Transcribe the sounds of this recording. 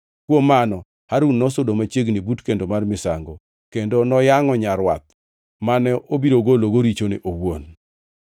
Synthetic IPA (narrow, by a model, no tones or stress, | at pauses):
kwomːanɔ | haɾunːɔsodomat͡ʃjeɡnɪbutkendomarmɪsa̰ŋɡo | kendonɔjaŋɔɲaɾwa̰t̪ | manɛobiɾoɡoloɡoɾit͡ʃonɪʔowo̰n